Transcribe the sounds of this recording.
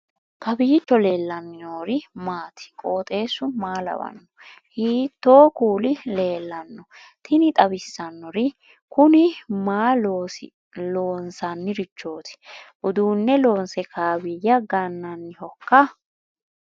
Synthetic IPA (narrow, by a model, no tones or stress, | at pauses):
kɐbiːt͡ʃːɔle̞ːlːɐnːɪnoːɾɪmaːt̪ʰɪ̥kʼo̞ːt̪ʼe̞ːsʊmaːlɐ̰wɐ̰nːɔ̥ | hiːt̪ːo̞ːkuːlɪle̞ːlːɐnːɔ | t̪ʰɪnɪt̪ʼɐbɪsːɐnːɔɾɪ | kʊnɪmaːlo | lo̞ːnsɐnːɪɾɪt͡ʃːo̞ːt̪ɪ̥ʔʊd̪uːnːɛlo̞ːnsɛkʰaːbɪjɐɡɐnːɐnːɪhɔkːɐ